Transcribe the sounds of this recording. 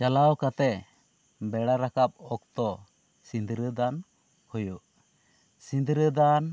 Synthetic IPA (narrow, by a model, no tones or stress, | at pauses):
t͡ʃalawkat̪ɛ | bɛɽaɾakap̚ɔk̚t̪ɔ | sind̪ɾəd̪an | hujuʔ | sĩnd̪ɾəd̪an